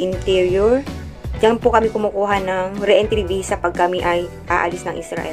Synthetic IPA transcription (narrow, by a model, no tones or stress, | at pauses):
ʔɪnt̪iɹjoɹ | d͡ʒɐnpokɐmikʊmʊkuːɦɐnɐŋɾɛʔɛnt̪ɾivisɐpɐɡ̚kɐmiʔɐj | ʔa̰ːʔa̰ːlɪsnɐŋʔɪsɾa̰ʔɛ